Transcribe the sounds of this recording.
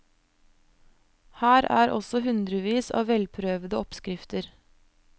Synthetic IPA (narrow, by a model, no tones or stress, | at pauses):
hæːɾæ̰ːɾʔɔ̰sɔhʉnd̪ɾəʋiːsɑ̰ːʋʋɛlpʰɾøːʋəd̪əɔpskɾɪft̪əɾ